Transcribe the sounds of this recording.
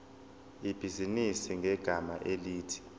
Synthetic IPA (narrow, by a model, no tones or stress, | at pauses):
ib̥ʱizinisiŋɡʱɛɡ̥ʱamaʔeliːtʰi̥